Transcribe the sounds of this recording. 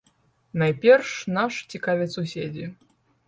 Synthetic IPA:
najpʲɛrʂnaʂt͡sʲikavʲɛt̪susʲed͡zʲi

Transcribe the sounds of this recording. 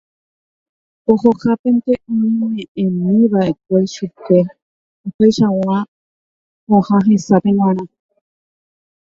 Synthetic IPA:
ohokape̞nt̪eʔɨiɲẽʔẽmĩβaʔe̞k̚ʷe̞ʃupe̞ | upeʃaw̃ã | põhãɦesapẽŋw̃ʷãɾ̃ã

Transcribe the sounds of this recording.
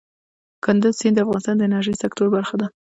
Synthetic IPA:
kʰʊnd̪ʊz̥sind̪əafɣɑnɪst̪ɑnd̪əɪnaɾʒəjsakt̪oɾbaɾxad̪a

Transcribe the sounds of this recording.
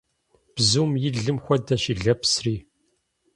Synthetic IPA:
b̥zuːmjɪɮɨmxʷɔdɐʃiɮɐpsriː

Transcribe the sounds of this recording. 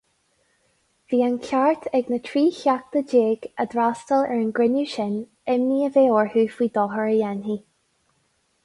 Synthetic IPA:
v̥iːankʲʰaɹt̪ʰɛɡnətʰɹiːçak̚t̪əd͡ʒeːɡəd̪ɾastəlɛ̰ɹənɡɹɪnuʃɪn | ɛmniːəveːɔɹhuːfwiːd̪ɔɦəɹəjɛnɦi

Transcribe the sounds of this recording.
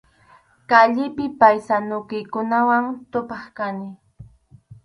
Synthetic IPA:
kaʎɪpɪpajsanʊkɪjkʊnawaŋt̪ʊpɑχkanɪ

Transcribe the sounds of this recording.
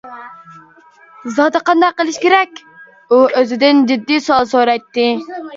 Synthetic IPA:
zɑd̪əqɑnd̪ɑqːəlˠɪʃkʲeɾɛkʲ | uʔøzɪd̪ɪnd͡ʒɪd̪ːisoɑlˠsoɾɛjt̪ːɪ

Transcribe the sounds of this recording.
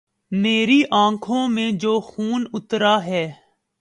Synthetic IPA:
meːɾiʔãːkʰõːmẽd͡ʒoːxuːnʊt̪ɾaːɦɛː

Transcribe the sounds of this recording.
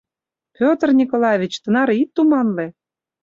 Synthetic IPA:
pʲot̪ərnʲikolɑvʲit͡ɕt̪ə̆nɑɾit̪ːumɑnle

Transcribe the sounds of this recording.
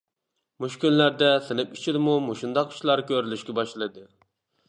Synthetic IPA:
muʃkʲynlæɾd̪ɛsɨnɨpi̥t͡ʃʰid̪ɪmumuʃund̪ɑqi̥ʃlˠɑɾkʲøɾylyʃkʲɛbɑʃlˠɨd̪ɨ

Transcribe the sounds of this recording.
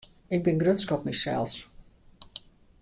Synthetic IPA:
ɪɡ̚bɪnɡrøtskɔpmisɛ̰lˠs

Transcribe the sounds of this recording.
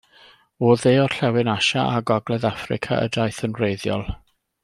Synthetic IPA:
oːðeːɔrɬɛwɪnaʃaʔaɡɔɡlˠɛðafrɪ̰kʰa̰ʔə̰dajθənrejðjɔ̰lˠ

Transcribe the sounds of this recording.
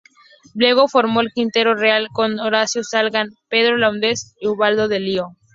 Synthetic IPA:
ble̞ɣ̞o̞foɾmo̞elkint̪e̞ɾo̞realkonoɾasjosalɣanpe̞ð̞ɾolawnd̪esiuβald̪o̞ðelio

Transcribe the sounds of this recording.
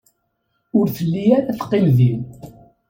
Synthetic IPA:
ʊɾθəlːijæɾæθqːɪmðin

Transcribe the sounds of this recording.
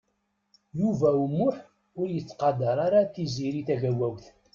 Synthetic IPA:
juvæumːʊħ | ʊɾjət͡sːqɑd̪ɑɾˤaɾaθiziɾiθæʝæwæwθ

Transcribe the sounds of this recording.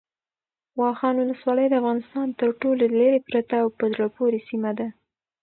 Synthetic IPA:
wɑxɑnwʊləswɑləjd̪əafɣɑnɪst̪ɑnt̪əɾʈololaɾepɾat̪aːwpəzɽapoɾesimad̪a

